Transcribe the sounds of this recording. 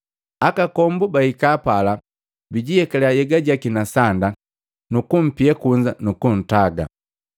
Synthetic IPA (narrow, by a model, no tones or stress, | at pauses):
akakɔmbubahikaːpala | biɟijɛkalɛajɛɡaɟakinasanda | nukum̩piɛkuɲd͡ʒanukun̩taɡa̰